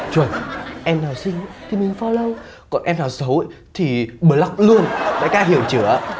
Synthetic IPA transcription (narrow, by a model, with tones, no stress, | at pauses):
t͡ɕwə˨˩nʔɛ˧mnaː˨˩wsï˧ŋ̟t̪ʰi˧˦mï˨˩ŋ̟fɔ˧lə˧w | kɔ˨˩nʔɛ˧mnaː˨˩wsə˨˦w | t̪ʰi˨˩ɓɨ˨˧˩la˦˥wk͡p̚lu˧ənɓa̰ː˧˥jkaː˧˥ɦi˧˩əwt͡ɕɨ˧˩ə˧˦